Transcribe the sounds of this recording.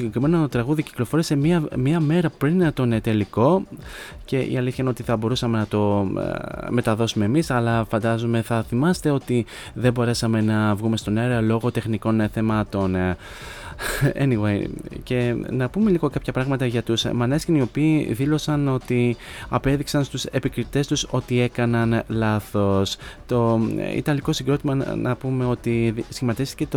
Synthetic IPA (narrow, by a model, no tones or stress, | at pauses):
siɟekɾime̞not̪ɾɐɣuðici̥klo̞fo̞ɾisemiɐmiɐme̞ɾɐpɾint̪onet̪e̞liko̞ | ce̞ḭɐliθçɐinot̪iθɐbo̞ɾusɐme̞nɐt̪o̞ | me̞t̪ɐðo̞sume̞ːmisɐlɐfɐnd̪ɐzome̞θɐθimɐst̪e̞o̞t̪i | ðe̞bo̞ɾe̞sɐme̞nɐvɣume̞st̪o̞nejɾɐlo̞ɣo̞t̪e̞xniko̞nθe̞mɐt̪o̞n | ḛniwejce̞nɐpume̞liɣo̞kɐpçɐpɾɐɣmɐt̪ɐʝɐt̪usmɐnescinio̞piːðilo̞sɐno̞t̪iɐpe̞ðiksɐnst̪use̞pikɾit̪e̞st̪uso̞t̪ie̞kɐnɐnlɐθo̞st̪o̞ḭt̪ɐnliɣo̞siɡɾo̞t̪imɐnɐ̰pume̞o̞t̪isçimɐt̪ist̪i̥cet̪